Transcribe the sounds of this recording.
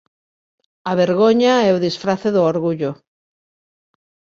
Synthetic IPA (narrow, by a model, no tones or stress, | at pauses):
aβeɾɣoɲaɛʊðisfɾaθeðʊoɾɣuʎʊ